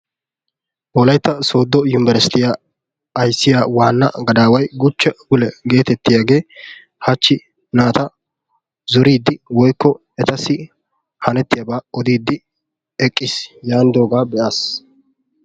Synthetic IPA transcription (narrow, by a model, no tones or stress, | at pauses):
ʔɔːlɐjt̪ːɐso̞ːd̪ːɔjʊnɪbɛɾsɪ̥t̪ɪja | ɐjsːɪjaːwaːnːɐ̰ɡɐd̪aːwɐjɡʊt͡ʃːɐɡʊlɛɡe̞ːt̪ɛt̪ːɪjaːɡe̞ː | hɐt͡ʃːɪ | naːt̪ɐ | zɔɾiːd̪ːɪwɔjkːɔ | ɛt̪ɐsɪ | hɐnɛt̪ːɪjɐbaːɔd̪iːd̪ːɪ | ɛkʼːɪsjaːnd̪oːɡaːbɛʔaːs